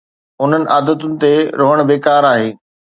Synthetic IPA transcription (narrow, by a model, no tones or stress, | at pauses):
ʊn̤ənɪ̆ʔaːd̪ət̪ʊnɪ̆t̪eɾoɦəɽ̃beːkaːɾaːɦeː